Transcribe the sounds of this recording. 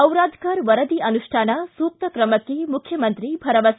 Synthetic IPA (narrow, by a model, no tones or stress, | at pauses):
ɐwɾaːd̪ʱkɐɾʋɐɾɐd̪iɐnuʃʈʰaːnasuːk̚t̪ɐkɾɐmɐkːemukʰjɐmɐnt̪ɾibʱɐɾɐʋɐs